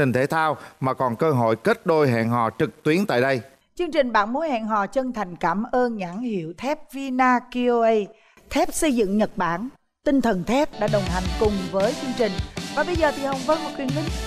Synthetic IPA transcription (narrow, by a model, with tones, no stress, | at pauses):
ï˨˩ŋ̟t̪ʰe˨˦t̪ʰaː˧wmaː˨˩kɔ˨˩nkəː˧ɦo̰˧˨jke˦˥t̚ɗo˧jɦɛ̰˧˨nɦɔ̰˨˩t͡ɕɨ˨˩k̚t̪wi˨˦ənt̪a̰ː˧˨jɗə˧j | t͡ɕɨ˧əŋt͡ɕï˨˩ŋ̟ɓa̰ː˧˥nmo˨˦jhɛ̰ː˧˨nɦɔ̰˧˨t͡ɕə˧ŋt̪ʰa˨˩jŋ̟kaː˧˩mʔəː˧nɲaː˧˥˩nhḭ˧˩əwt̪ʰɛ˦˥p̚vi˧naː˧ki˧ʔo˧ʔə˧j | t̪ʰɛ˦˥p̚sə˧jzɨ̰˧˨ŋɲə˨˩t̚ɓaː˧˩n | t̪ï˧ŋ̟t̪ʰə˨˩nt̪ʰɛ˦˥p̚ɗa̰ː˧˥ɗə˨˩wŋ͡mt̪a˨˩jŋ̟kʊ˨˩ŋ͡mvəː˨˦jt͡ɕɨ˧əŋt͡ɕï˨˩ŋ̟vaː˨˩ɓə˧jzəː˨˩t̪ʰi˨˩hə˧˩wŋ͡mvə˧˨˦nmo˨˩t̚kwi˨˩ənlï˧˦ŋ